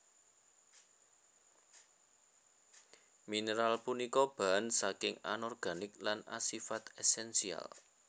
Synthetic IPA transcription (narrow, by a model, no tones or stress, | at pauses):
minəɾalpunikɔb̥a̤nsakɪŋa̰nɔrɡ̥a̤nɪk̚lana̰sifat̪ɛsɛnsia̰l